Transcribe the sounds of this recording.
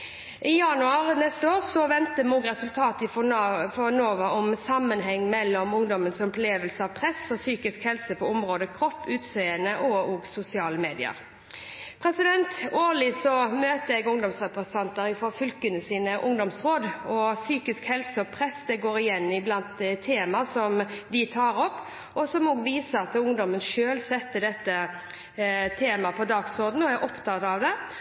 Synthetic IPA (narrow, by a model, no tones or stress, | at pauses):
ʔɪjɑnʉɑːɾnɛst̪əoːɾsɔʋɛnt̪əmoːɡɾɛsʉlt̪ʰɑːt̪ɪffɔnoːʋəɔmsɑmːənɦɛŋːmɛlːɔmʊŋd̪ɔmənsɔpleːʋəlsəɑʋpʰɾɛsɔsyːkɪskhɛlsəpʰɔʊmɾoːd̪əkʰɾɔpːʉːt̪sœʏənəʔɔoːɡsʊsɪɑːləmeːd̪ɪə̰ɾ | pʰɾɛsɪd̪ɛnt̪oːlɪsɔmøːt̪əɛɡʊŋd̪ɔmsʁɛpʁɛsənt̪ʰɑnt̪əɾɪfɔfʏlkənəsiːnəʔʊŋd̪ɔmsʁoːd̪ɔsyːkɪskhɛlsəɔpʰɾɛsd̪ɛɡoːɾɪjɛnːɪblɑnt̪̚d̪t̪ʰeːmɑsɔmd̪ɪt̪ʰɑːɾɔpː | ɔsɔmoːɡʋiːsəɑt̪ʊŋd̪ɔmənʃøːlsɛt̪ːəd̪ɛt̪ːə | t̪ʰeːmɑpʰɔd̪ɑːɡsʊʁd̪n̩ɔæɾʔɔpt̪ʰɑt̪ɑʋd̪ɛ